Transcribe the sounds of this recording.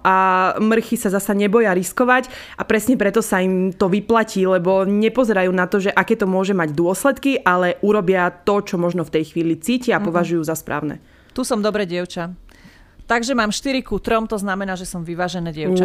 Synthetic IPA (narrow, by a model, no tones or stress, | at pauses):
ʔamr̩xisazasaɲɛbɔjaɾiskɔʋac | ʔapɾɛsɲɛpɾɛt̪ɔsaimt̪ɔʋiplaciːlɛbɔɲɛpɔzɛɾajuːnat̪ɔʒɛʔakɛːt̪ɔmʊɔʒɛmaɟd̪ʊɔslɛt̪kiʔalɛʔuɾɔbɪat̪ɔt͡ʃɔmɔʒnɔft̪ɛjxʋiːlit͡siːciapɔʋaʒujuːzaspɾʔa̰ːʊnɛ̰ | t̪uːsɔmd̪ɔbɾɛɟɪɛʊt͡ʃa | t̪aɡʒɛmaːmʃt̪iɾikut̪ɾɔmt̪ɔznamɛnaːʒɛsɔmʋiʋaːʒɛnɛːɟɪɛʊt͡ʃa